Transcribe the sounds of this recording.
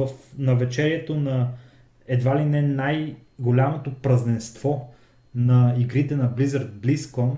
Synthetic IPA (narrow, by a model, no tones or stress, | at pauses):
əfnɐvɛt͡ʃɛɾiɛt̪onɐ | ɛd̪valinɛnajɡolʲamot̪opɾɐznɛnst̪v̥ɔ | nɐiɡɾit̪ɛnɐblizɐɾt̪̚bliskɔn